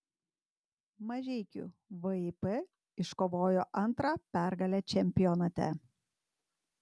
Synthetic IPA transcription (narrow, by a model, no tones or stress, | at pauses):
mɐʒʲɛɪkʲṵʋɨipɛ | ɪʃkoːʋoːjoːʔɐnˑt̪ɾɑpʲæˑɾɡɐlʲɛt͡ʃʲɛmʲpʲɪjɔnɐt̪ʲɛ̰